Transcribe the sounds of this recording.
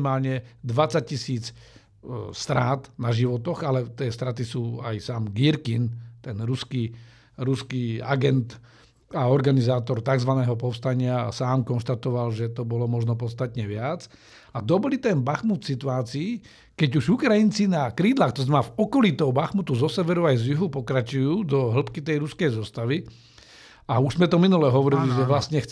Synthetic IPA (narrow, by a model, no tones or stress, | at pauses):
maːlɲɛd̪ʋat͡sac̚cisiːt͡s | st̪ɾaːt̪naʒiʋɔt̪ɔɣalɛt̪ɪɛst̪ɾat̪isuːa̰jsaːmɡiɾkint̪ɛnɾuski | ɾuskia̰ɡɛnt̪ | aɔɾɡanizaːt̪ɔɾt̪aɡzʋanɛːɦɔpɔfst̪aɲɪasaːmkɔnʃt̪at̪ɔʋalʒɛt̪ɔbɔlɔmɔʒnɔpɔt̪t͡st̪at̪ɲɛʋɪat͡s | ad̪ɔbɔlit̪ɛnbaxmut̪fsit̪uaːt͡siː | kɛɟuʒukɾajint͡sinakɾiːd̪laːxt̪ɔzmavɔkɔlit̪ɔʊbaxmut̪uzɔsɛʋɛɾuajzjuɦupɔkɾat͡ʃujuːd̪ɔɦl̩pkit̪ɛjɾuskɛjzɔst̪aʋi | auʒzmɛt̪ɔminulɛɦɔʋɔɾiliʒɛʋlast̪ɲɛx